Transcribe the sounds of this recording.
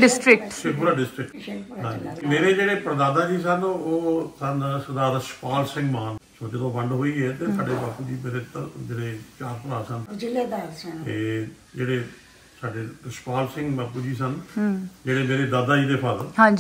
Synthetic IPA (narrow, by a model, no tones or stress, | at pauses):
ɖɪsʈɾɪkʈʃeːkulaːɖɪsʈɾɪk̚ʈɦãːd͡ʒimeːɾeːd͡ʒeːɽeːpəɾd̪aːd̪aːd͡ʒiːs̬ənoːsənsəd̪aːɾəʃpaːlsɪ̃ŋɡmaːnsoːd͡ʒɪd̪õːʋəɳɖɦoːiːɛːt̪eːsaːɖeːbaːpuːd͡ʒiːmeːɾeːt̪əd͡ʒeːɽeːt͡ʃaːɾpəɽaːsənld̪at̪eː | d͡ʒeːɽeː | saːɖeːɾəʃpaːlsɪ̃ŋɡbaːpːuːd͡ʒiːs̬ənd͡ʒeːɽeːmeːɾeːd̪aːd̪aːd͡ʒiːd̪eːpʰədlɦãːd͡ʒi